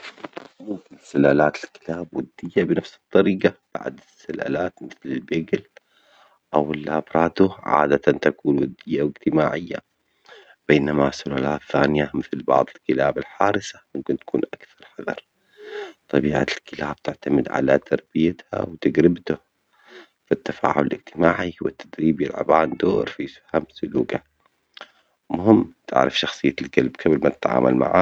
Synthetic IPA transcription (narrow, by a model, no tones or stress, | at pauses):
mʊmkɪnɪsʊlaːlaːt̪ɪlkɪ̥laːbwɪd̪ːɪjːabnafsɨ̥t̪ˤːɑɾiːqɑb̥a̰ʕd̪ɪsːala̰laːt̪mɪθlɪlbeɡɪl | ʔawɪlʔabɾˤɑːt̪ʊʕa̰ːd̪at̪ant̪akuːnwɪd̪ːɪjːawɪɡt̪ɪmaːʕɪjːa̰ | b̥eːnamasʊlaːlaːt̪θaːnɪjamɪθlbɑ̰ʕðˤɪlkɪlaːbɪlħaːɾɪsamʊmkɪnt̪akʰuːnʔakθɑɾˤħɑðɑ̰ɾˤ | t̪ˤːɑbiːʕa̰lkɪlaːb̥̚t̪ɪʕt̪amɪd̪ʕa̰lat̪ʰɑɾˤb̥ɪjat̪ha̰wt̪aɡɾɪbt̪ʊ | fit̪ːafa̰ːʕʊlɪlʔɪɡt̪ɪmaːʕiwɪt̪ːad̪ɾiːbjɪlʕa̰baːnd̪oːɾfixamsʊluːɡa | mʊɦɪmːt̪ʰɪ̰ʕɾɪfʃɑxsˤɨjːalɡalbkʰablmat̪ɪ̥t̪ʕa̰ːmʔa̰lma̰ʕa̰ː